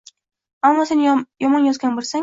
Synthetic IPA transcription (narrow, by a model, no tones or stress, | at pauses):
amːɒse̞njɒmɒnjɒzɡʲanbolˠsa